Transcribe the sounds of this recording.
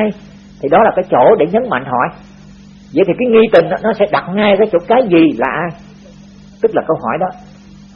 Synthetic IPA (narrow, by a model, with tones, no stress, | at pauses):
j | t̪ʰi˨˩ɗɔ˨˦laː˨˩kaː˨˦jt͡ɕo̰˧˩ɗe˧˩ɲə˨˦nma̰˧˨jŋ̟ɦɔ̰˧˨j | zə̰˧˨jt̪ʰi˨˩kaː˨˦jŋi˧t̪ï˨˩ŋ̟ʔɔ˨˦nɔ˨˦sɛ̰˧˥ɗa˨˩t̚ŋaː˧jkaː˨˦jt͡ɕo̰˧˥kaː˨˦jzi˨˩laː˨˩ʔaː˧j | t̪ɨ˦˥k̚laː˨˩kə˧wɦɔ˧˩jɗɔ˨˦